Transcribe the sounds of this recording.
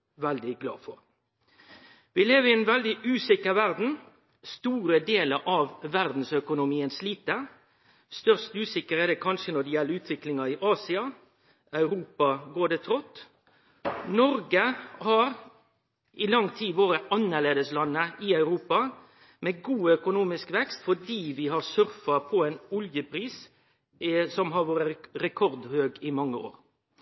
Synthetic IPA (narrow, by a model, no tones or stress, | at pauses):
ʋɛld̪ɪɡlɑ̰ːfɔʁ | ʋɪleːʋəɪɛnʋɛld̪ɪʔʉːsɪkəʋæʁd̪n̩ | st̪uːɾəd̪eːləɾʔɑʋːæʁd̪n̩sœkʊnʊmiːənsliːt̪ə | st̪œʁst̪ʉːsɪkəɾɛd̪ɛːkʰɑnʃənɔd̪ɛjɛlːəʉːt̪ʰʋɪklɪŋɑɪʔɑːsɪɑ | œʉɾuːpɑɡoːɖɛːt̪ʰɾɔt̪ː | nɔɾɡəhɑɾ | ʔɪlɑŋt̪ʰiːʋoːɾəʔɑnːəʁleːd̪əslɑnːəɪɑʉɾuːpɑ | meːɡuːœkʊnuːmɪskʋɛkst̪fɔɖiːʋɪɦɑsœɾfɑpʰɔɛːnʊljəpʰɾiːs | sɔmɦɑɾʋoːɾəɾɛkʰɔɾd̪høːɡɪmɑŋːəo̰ːɾ